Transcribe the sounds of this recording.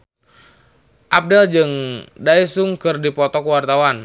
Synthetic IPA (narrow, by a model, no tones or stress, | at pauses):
ʔap̚dɛld͡ʒɨŋdaisuŋkɨrdipɔt̪ɔkəwart̪awan